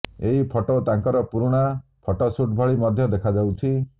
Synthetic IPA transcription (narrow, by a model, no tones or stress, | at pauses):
eɦipʰɔʈot̪aŋkɔɾɔpuɾuɽ̃apʰɔʈɔsuʈ̚bʱɔɭimɔd̪ʱjɔd̪ekʰad͡ʒawt͡ʃʰi